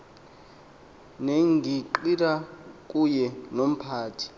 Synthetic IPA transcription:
neŋɡʱiǃirakʼujɛnom̩pʰaːtʰi̥

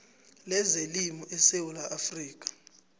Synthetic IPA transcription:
lɛzelimɔʔɛsewulaʔafriːk̬ʼḁ

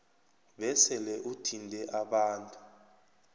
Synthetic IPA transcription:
ɓɛsɛlɛʔutʰindʱɛʔaɓaːntʼu̥

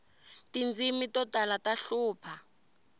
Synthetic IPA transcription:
tind͡zimitɔtalataɬuːpʰa

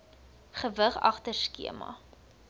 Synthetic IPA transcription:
χəvəχɐ̰χtərskḭəmɐ̰

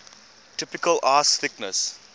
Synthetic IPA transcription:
tɪpɪkəlʔaːsθɪknəs

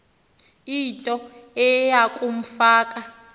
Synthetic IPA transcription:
itʼɔɛjakʼum̩faːkʼa

